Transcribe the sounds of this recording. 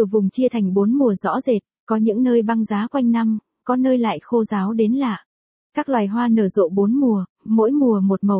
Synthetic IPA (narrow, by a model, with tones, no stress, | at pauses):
t̪ɨ˧˩vʊ˨˩ŋ͡mt͡ɕi˧ət̪ʰa˨˩jŋ̟ɓo˨˦nmu˨˩əzɔ̰˧˥ze˨˩t̚kɔ˨˦ɲɨ̰˧˥ŋnəː˧jɓa˧ŋzaː˨˦kwa˧jŋ̟na˧m | kɔ˨˦nəː˧jla̰ː˧˨jxo˧zaː˨˦wɗe˨˦nlaː˨˩ | kaː˦˥k̚lwaː˨˩jɦwaː˧nəː˧˩zo̰˧˨ɓo˨˦nmu˨˩ə | mo̰˧˥jmu˨˩əmo˨˩t̚mə˨˩w